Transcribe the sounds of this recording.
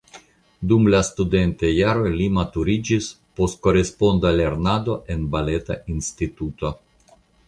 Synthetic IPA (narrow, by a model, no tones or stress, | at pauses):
dumlast̪ude̞nt̪ejaɾo̞jlimat̪uɾid͡ʒis | po̞st̪̚ko̞ɾe̞spo̞nd̪ale̞ɾnad̪o̞ʔe̞nbale̞t̪aʔinst̪it̪ut̪o̞